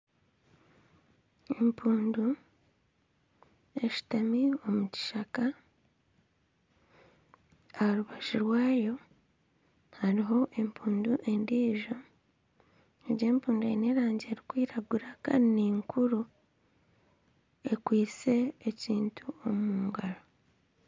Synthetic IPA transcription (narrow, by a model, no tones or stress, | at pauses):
e̞mpʰuːndu | e̞ʃi̥tamio̞muci̥ʃaka | ahaɾuβaʒiɾwaːjo̞ | haɾiɦo̞ʔe̞mpʰuːnduʔe̞ndiːʒo̞ | eɟe̞ːmpuːnduḛneɾaːɲɟeːɾikwiːɾaɡuɾaka̰ineŋkʰuɾu | e̞kwiːt͡se̞ːciːntʰuo̞muːŋɡaɾo